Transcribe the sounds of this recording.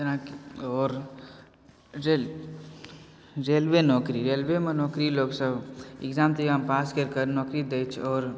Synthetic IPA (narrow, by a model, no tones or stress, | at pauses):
t̪nãːkɔːɾ | ɾe | ɾeːlʋenɔːkɾiɾeːlʋemẽnɔːkɾiloːɡsəbɪɡzaːmt̪iɡaːmpaːskəɾkəɾnɔːkɾid̪eːt͡ʃʰɔːɾ